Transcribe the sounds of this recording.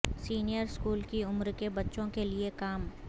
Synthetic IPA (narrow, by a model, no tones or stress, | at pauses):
siːnijəɾskuːlkiʊmɾkebɐtːʃõkeliekaːm